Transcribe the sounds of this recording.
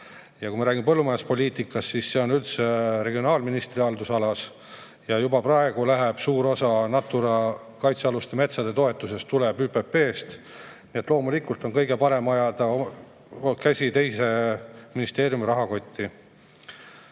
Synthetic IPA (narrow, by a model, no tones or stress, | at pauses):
jɑkumɑɾæːɡʲimepɤlːumɑjɑspo̞lʲiːt̪ikːˑɑsːisːe̞o̞nylt̪seɾe̞ɡio̞nɑːlminist̪riɑld̪usɑlɑs | jɑjubɑprɑe̞ɡ̥ulæɦeb̥suːɾo̞sɑnɑt̪ːˑuɾɑ | kɑjt̪seɑlust̪eme̞t̪sɑd̪̥e̞t̪o̞e̞t̪ːˑuse̞st̪ːule̞byːpe̞pːe̞ːst̪ | nie̞t̪ːˑlo̞ːmulikˑult̪o̞nkɤjɡe̞pɑɾe̞mɑjɑd̪̥ɑ | kæsʲit̪e̞jse̞minist̪e̞ːɾjumiɾɑɦɑko̞t̪ʲːi